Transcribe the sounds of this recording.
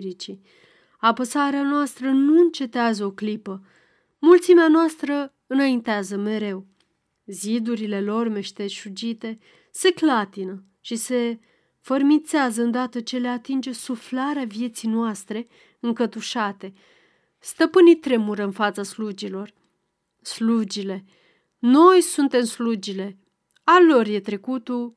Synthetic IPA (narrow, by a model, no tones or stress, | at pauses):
ɾit͡ʃi | apəsaɾeanoast̪ɾənuɨnt͡ʃe̞t̪eazəoklipə | mult̪simeanoast̪ɾə | ɨnaint̪eazəme̞ɾe̞w | zid̪uɾile̞lo̞rme̞ʃt̪e̞ʃud͡ʒit̪e̞ | se̞klat̪inə | ʃise̞ | fərmint̪seazəɨnd̪at̪ət͡ʃe̞le̞at̪ind͡ʒe̞suflaɾeavje̞t̪sijnoast̪ɾe̞ | ɨŋkət̪uʃat̪e̞ | st̪əpɨnit̪ɾe̞muɾəɨnfat̪saslud͡ʒilo̞r | slud͡ʒile̞ | no̞jsunt̪e̞mslud͡ʒile̞ | alo̞rje̞t̪ɾe̞kut̪u